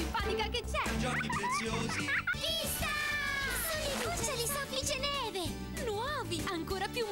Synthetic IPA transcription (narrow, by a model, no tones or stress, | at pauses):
pːaːnikaket͡ʃːɛd͡ʒɔkipɾet̪sjoːzivist̪a | nonikusːalist̪ɔfid͡ʒenɛːve | nwɔːviaŋkoːɾapjum